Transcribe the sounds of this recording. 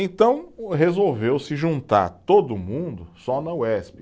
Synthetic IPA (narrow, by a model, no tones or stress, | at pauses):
ẽnt̪ɐ̃w̃ɦezowvewsɪʒũnt̪a̰ɾt̪od̪ʊmũnd̪ʊsɔnɐwɛspɪ